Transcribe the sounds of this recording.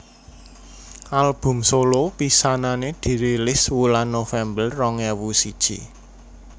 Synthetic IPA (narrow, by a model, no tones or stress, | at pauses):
ʔalb̥ʊ̤msolopisananed̪̥i̤ɾilɪswulanːofɛmbəlrɔŋɛwusid̥ʒ̥ḭ